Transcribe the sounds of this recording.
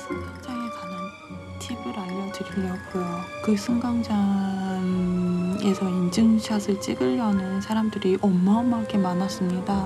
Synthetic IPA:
sʰɯŋɡaŋd͡ʑaŋekaɲaŋ | ɯ | tʰibɯɾaʎːʌd͡ʑɯɾimjʌk͈ujokɯsʰɯŋɡaŋd͡ʑaŋ | e̞sʰʌind͡ʑɯŋɕʰʌsʰɯɭt͡ɕ͈iɡɯʎːʌnɯnsʰaɾamdɯɾiʔʌmːʌmakʰe̞manas͈ɯmɲida

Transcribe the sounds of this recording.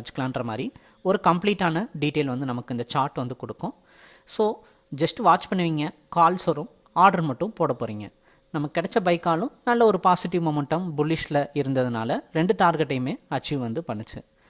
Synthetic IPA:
ɐɾt͡ʃːɯ̥kːɐlaːɪnɖrɐma̰ːd̪ɾi | ɔɾɯkɐmpliːʈːaːnɐɖiːʈeːlʋɐnd̪ɯnɐmɐkːɯɪnd̪ɐt͡ʃaːɾʈʋɐnd̪ɯkɔɽɯkːʊ̃ | soː | d͡ʒɐsʈʋaːt͡ʃpɐɳːɯʋiːŋɡɐkaːlsɔɾɯ̃m | aːɾɖɐɾmɐʈːʊ̃poːɽɐpːoːɾiːŋɡɐ | nɐmːɐkːɪɽɛt͡ʃːɐbɐɪkːaːlʊ̃nɐlːɐɔɾɯpaːsɪʈːɪʋmɔːmɛɳʈːɐmbʊlːɪʃlɐɪɾɯnd̪ɐðɯna̰ːlɐɾɛɳɖɯʈaːɾɡɛʈːɐjɯmeːɐt͡ʃːɪʋɯʋɐnd̪ɯpɐɳːɯt͡ʃːɯ̰

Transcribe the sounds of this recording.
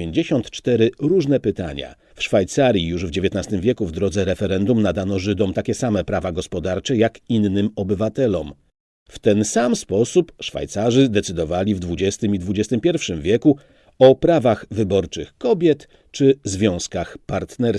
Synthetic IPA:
eɲd͡ʑeɕɔnt̪t͡ʂt̪ɛɾɘɾuʐnɛpɘt̪a̰ɲa̰ | fʂfajt̪saɾʲjijuʐvd͡ʑevʲjet̪nast̪ɘmvʲjɛkuvd̪ɾɔd̪zɛɾɛfɛɾɛnd̪umnad̪anɔʐɘd̪ɔmt̪akʲɛsamɛpɾavaɡɔspɔd̪aɾt͡ʂɛjakinːɘmɔbɘvat̪ɛlɔm | ft̪ɛnsamspɔsupʂfa̰jt̪saʐɘd̪ɛt̪sɘd̪ɔvalʲivd̪vud͡ʑɛst̪ɘmid̪vud͡ʑɛst̪ɘmpʲjɛɾfʂɘmvʲjɛku | ɔpɾavaɣvɘbɔɾt͡ʂɘxkɔbʲjɛt̪ | t͡ʂɘzvʲjɔ̃w̃skaxpaɾt̪nɛɾ

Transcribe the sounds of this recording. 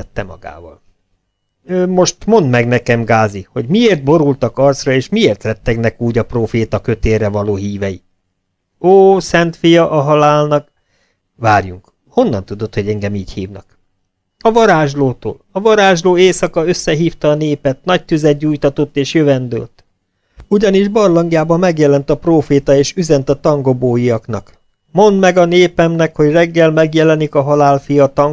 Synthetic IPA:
ɛt̪ːɛmɒ̰ɡa̰ːvɒ̰l | ømo̞ʃt̪mo̞nd̪mɛɡnɛkɛmɡaːziho̞ɟmieːrt̪̚bo̞ɾult̪ɒkɒrt̪srɒeːʃmieːrt̪lɛt̪ːɛɡnɛkuːɟɒproːfeːt̪ɒkø̞t̪eːrɛvɒloːɦiːvɛji | oːsɛnt̪fijɒʔɒɦɒlaːlnɒk | vaːrjuŋk | ho̞nːɒnt̪ud̪o̞t̪ho̞ɟɛŋɡɛmiːchiːvnɒ̰k | ɒvɒɾaːʒloːt̪o̰ːlɒvɒɾaːʒloːeːsɒkɒø̞sːɛɦiːft̪ɒːneːpɛt̪nɒc̚t̪yzɛd̪̚ɟuːjt̪ɒt̪o̞t̪ːeːʃjøvɛnd̪ø̰lt̪ | uɟɒniʒbɒrlɒŋɡijaːbɒmːɛɡjɛlɛnt̪ɒproːfeːt̪ɒeːʃyzɛnt̪ɒt̪ɒŋɡo̞boːjiɒknɒ̰k | mo̞nd̪mɛɡɒneːpɛmnɛkho̞ɟrɛɡːɛlmɛɡjɛlɛnikɒɦɒlaːlfijɒt̪ɒŋ

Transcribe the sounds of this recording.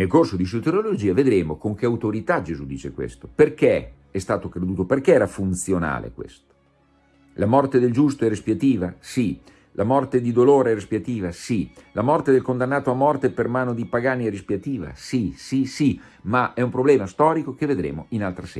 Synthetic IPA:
nelkorsod̪is̬ut̪eɾolod͡ʒiːaved̪ɾeːmokoŋk̟eawt̪oɾit̪ad͡ʒezud̪iːt͡ʃekwḛst̪o̥perke | ɛst̪aːt̪okɾed̪uːt̪operkeɛːɾafunt̪sjona̰ːlḛkwḛst̪o̥ | lamɔrt̪ed̪eld͡ʒust̪oɛrespiat̪iːvasi | lamɔrt̪ed̪id̪oloːɾeɛrespiat̪iːvasilamɔrt̪ed̪elkond̪anːaːt̪oamɔrt̪epermaːnod̪ipaɡaːniɛrispiat̪iːva̰sisisi | maɛumpɾoblɛːmast̪ɔːɾikok̟eved̪ɾḛːmoinalt̪ɾasɛ̰

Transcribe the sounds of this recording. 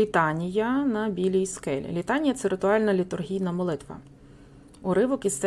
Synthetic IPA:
it̪ɑnʲijɐnɐbʲilʲijskɛlʲḭlʲit̪ɑnʲijɐt̪sɛɾɪt̪ʊɑlʲnɐlʲit̪ʊrɦʲijnɐmɔlˠɪt̪ʋɐ̰ | ʊɾɪʋʊkʲist̪ɛ

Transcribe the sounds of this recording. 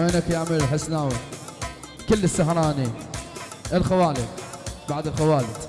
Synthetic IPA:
eːnakjaʕmiːɾħɪsːnaːw | kɪlːɪsːaɦɾˤɑːni | ʔɪlxawaːlɪdbaʕd̪ɪlxawaːlɪd̪

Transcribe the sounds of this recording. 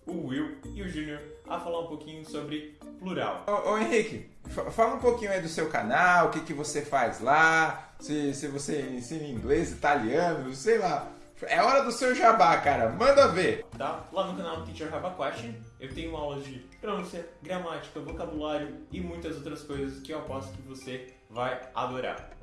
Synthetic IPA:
ʊhwiwɪʊʒũnjoɾɐ̰falaɾũpokĩɲʊsobɾɪpluɾa̰wʔoẽɦikɪ | fafalɐũpokĩɲʊɐid̪ʊsewka̰nawʊkɪkɪvosefajzla | sɪsɪvoseẽsĩnĩŋɡlezit̪aliɐ̃nʊsejla | ɛɔɾɐd̪ʊsewʒabakaɾɐmɐ̃nd̪ɐveɾt̪alavnʊkanawp̪it͡ʃeɾɦavɐkwɛt͡ʃẽewt̪ẽɲ̃ʊumawlɐd͡ʒɪt̪ɾonũsiɐɡɾamat͡ʃi̥kɐvokabulaɾjʊɪmũj̃t̪ɐzowt̪ɾɐskojzɐskɪapɔsʊ̥kɪvose | vaja̰d̪oɾa̰ɾ

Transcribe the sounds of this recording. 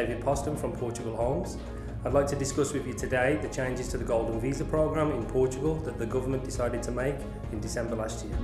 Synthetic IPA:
ɪvɪd̚pʰɒstə̃nfɹə̃mpʰɔˑt͡ʃəɡəlˠɦɒ̃ŋz̥ | aɪdˡlaɪk̚tʰədɪskʌswɪðjɨtʰɨdeɪðɨt͡ʃʰẽɪ̃nd͡ʒɪz̥tʰəðəɡɔʊlˠdⁿn̩viːzəpʰɹ̥əʊɡɹæ̃mɪ̃npʰɔˑt͡ʃəɡəlˠðəʔ̪̚ðəɡʊvəmə̃nd̥ɪsaɪɾɪd̚tʰəmeɪk | ɪ̃ndɪsɛ̃mbəlastjɪə

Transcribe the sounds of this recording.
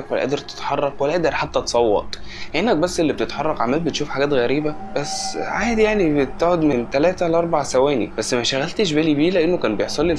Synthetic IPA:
ækwælːæʔæ̰ʔd̪eɾt̪e̥t̪ħɑrˤːɑqwælːæʔæʔd̪eɾħat̪ːæt̪sˤɑwːɑ̰t̪ˤhenːæk̚bæsːʔelːib̚et̪et̪ħɑrˤːɑqʕamːæːlbet̪ʃuːfħaɡæːt̪ɣæɾiːbæbæsːʕaːjed̪jaʕnibet̪eʕod̪ment̪ælæːt̪ælʔɑɾˤbɑʕsæwæːnḭb̥æsːmæʃæɣælt̪eʃ̬bælibiːlæʔenːokæːnbejeħsˤɑlːi

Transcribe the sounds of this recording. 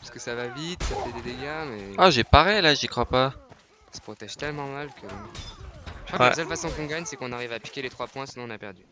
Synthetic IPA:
pḁskəsavavit̪safɛd̪ed̪eɡamɛaʒepaʁɛlaʒikχwapa | sə̥pχɔt̪ɛʒ̥t̪ɛlmɑ̃malkʰəbɔ̃ | əkʰwalɛa̰sœlfasɔ̃kɔ̃ɡaɲsɛkɔ̃naʁivapi̥kʲelet̪χwapwɛ̃sinɔ̃napɛʁd̪y

